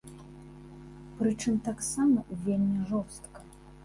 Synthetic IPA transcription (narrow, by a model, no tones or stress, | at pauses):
pɾɨt͡ʂɨmt̪aksamɐvʲelʲmʲiʐɔst̪kɐ̥